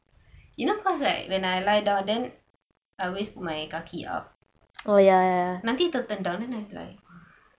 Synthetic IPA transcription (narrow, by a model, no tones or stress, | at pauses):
junokʰɔsla̰kwɛ̃najlajdãw̃ndɛ̃n | ʔawesput̚majkakʰiʔa̰p̚ | ojajnãnt̪it̪ət̪ə̃ndãwndɛnajla̰ja